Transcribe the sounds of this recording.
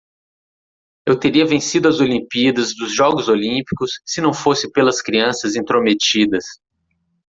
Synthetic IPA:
ewt̪eɾiɐvẽsid̪ʊɐzolĩpid̪ɐzd̪ʊzʒɔɡʊzolĩpi̥kʊsːɪnɐ̃w̃fosɪpelɐskɾiɐ̃sɐzĩt̪ɾomet͡ʃid̪ɐs

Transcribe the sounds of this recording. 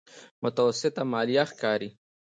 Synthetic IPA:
mʊt̪awasɪt̪amɑːlijaxkɑːɾi

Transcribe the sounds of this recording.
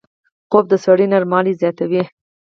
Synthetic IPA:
qob̚d̪əsaɽinaɾmɑlizjɑt̪awi

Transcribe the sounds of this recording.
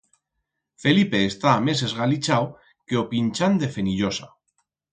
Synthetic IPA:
fe̞lipeːst̪aːmesezɣalit͡ʃaw | keopinʲt͡ʃand̪e̞feniʎosa

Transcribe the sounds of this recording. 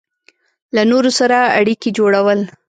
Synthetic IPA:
lanoɾosaɾaa̰ɽikid͡ʒoɽawəl

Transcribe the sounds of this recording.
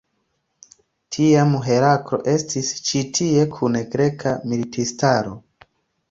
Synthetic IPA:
tʰiamuɦe̞ɾakɾo̞̰ʔe̞stist͡ʃitʰie̞kʰuneɡɾe̞kʰamilitʰistaɾo̞̰

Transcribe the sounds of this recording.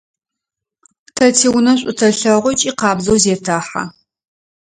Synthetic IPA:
tʰɐtʰiwʊnɐɕʷʼʊtʰɐɬɐʁʷɔt͡ʃʼiːqɑːbzowzeːtʰaːħa̰

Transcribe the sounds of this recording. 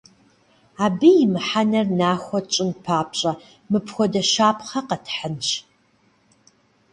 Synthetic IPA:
aːbɨjɪmɨħanɐrnaːxʷɔt͡ʃʼɪnpʰaːpɕʼɐ | mɨpʰxʷɔdɐʃaːpʰχɐqɐtʰħənɕ

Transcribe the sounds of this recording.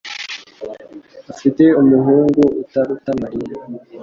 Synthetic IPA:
afite̞umuɦuːŋɡuʔutaɾutamaɾiɾa

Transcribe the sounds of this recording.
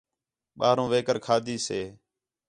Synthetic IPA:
ɓaːɾõːʋeːkəɾkʰaːd̪ʱiːseː

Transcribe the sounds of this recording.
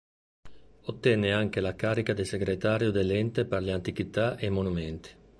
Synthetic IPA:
ot̪ːɛnːeaŋk̟elakaːɾikad̪eseɡɾet̪aːɾjud̪elɛnt̪eperleant̪ik̟it̪aʔemonumɛnt̪i̥

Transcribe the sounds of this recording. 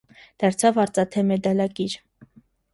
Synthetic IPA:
d̪̥ɑɾt͡sʰɑvɑɾt͡sʼɑt̪ʰɛmɛd̪ɑlɑkiɾ

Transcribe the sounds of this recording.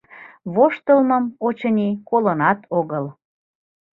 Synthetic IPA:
βoʃt̪əlməmot͡ɕɤnʲikolənɑt̪ʰoɣəl

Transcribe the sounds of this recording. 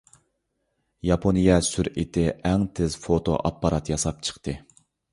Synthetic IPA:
jɑpʰonijɛsyɾit̪ʰɪɛŋt̪ʰɪzfot̪ʰo̰ʔɑpːɑɾɑt̪jɑsɑp̚t͡ʃʰə̥χt̪ʰɨ

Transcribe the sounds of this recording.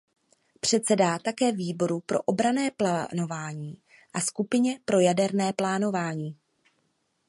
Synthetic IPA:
pr̝̥ɛt̪t͡sɛdat̪akɛːviːbo̞ɾupɾo̞̰ʔobɾanɛːplano̞vaːɲiː | ʔaskupɪɲɛpɾo̞jadɛɾnɛːplaːno̞vaːɲiː

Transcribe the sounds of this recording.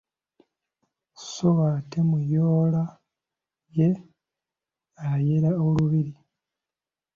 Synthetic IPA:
soβatemujoːla | je̞ | aje̞ɾaoluβiɾi

